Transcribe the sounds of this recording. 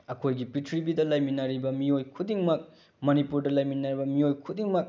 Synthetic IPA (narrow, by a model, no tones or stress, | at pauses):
ɐkʰojɡipitʰɾibidɐlɐjminɐɾibɐmiojkʰudiŋmɐk̚ | mɐnipuɾdɐlɐjminɐɾibɐmiojkʰudiŋmɐk̚